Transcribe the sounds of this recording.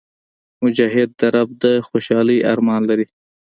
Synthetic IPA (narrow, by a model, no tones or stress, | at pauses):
mʊd͡ʒaɦɪd̪̚ːaɾab̚d̪əxoʃɑləjʔa̰ɾmɑnlaɾi